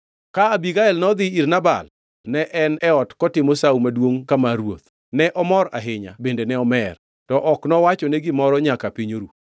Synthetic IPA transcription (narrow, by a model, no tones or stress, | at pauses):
kaːbiɡaɛlnɔd̪ɪirnaba̰l | nɛʔɛnɛɔtkɔtɪmosaumadwoŋkamaɾwot̪ | nɛʔɔmɔɾa̰ɦɪɲa̰bendenɛɔmɛr | tɔʔɔknɔwat͡ʃɔneɡɪmɔɾɔɲakapiɲoɾu